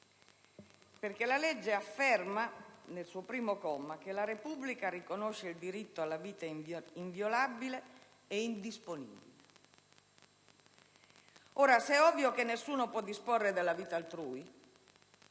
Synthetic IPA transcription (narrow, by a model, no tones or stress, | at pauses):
perkelalɛd͡ʒːeafːɛrmanelsuːopɾiːmokɔmak̟elaɾepubːlikaɾikonoʃːeild̪iɾit̪ːoalːaviːt̪aiɱvjolabile | eind̪isponḭbḭle | oːɾasɛɔvjokenːesːuːnopwɔd̪ːisporːed̪elːaviːt̪aːlt̪ɾuːj